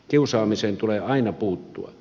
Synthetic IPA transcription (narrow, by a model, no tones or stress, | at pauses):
kiusɑːmiseːnt̪uleɑˑinɑpuːt̪ːṵɑ̰